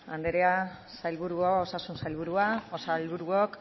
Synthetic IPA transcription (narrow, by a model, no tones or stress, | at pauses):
and̪eɾea | sajlβuɾuoosasunsajlβ̞uɾuaosalβuɾuok